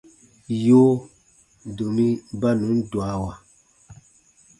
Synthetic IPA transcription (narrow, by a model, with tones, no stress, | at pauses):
joː˦ | do˨mĩ˦ba˦nũ˨˦n˦dwa˨˦wa˨